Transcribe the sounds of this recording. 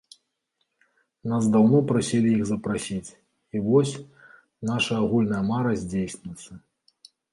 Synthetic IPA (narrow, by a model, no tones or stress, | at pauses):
nasd̪awnɔpɾasʲilʲiiɣzɐpɾasʲit͡sʲ | ivɔsʲ | naʂɐaɣulʲnɐjɐmaɾɐzʲd͡zʲejsʲnʲɪt̪sːɐ